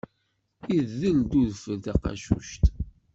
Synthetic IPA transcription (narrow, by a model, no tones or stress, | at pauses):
iððəld̪uðfəlθæqɑ̰ʃṵʃt̪